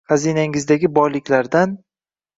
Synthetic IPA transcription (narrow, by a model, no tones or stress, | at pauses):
hazinaŋɪzd̪aɡʲɪbɒjlɪkʲlaɾd̪an